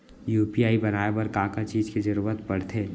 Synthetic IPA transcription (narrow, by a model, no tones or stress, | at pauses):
juːpiaːibɐnaːebɐɾkaːkat͡ʃiːd͡ʒked͡ʒɐɾuːɾət̪bɐɽ̤t̪ʰeː